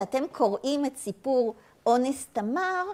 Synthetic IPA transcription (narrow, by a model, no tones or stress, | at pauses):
at̪e̞mkʰo̞ʁʔimet̪sipuʁ | ʔo̞nest̪amaʁ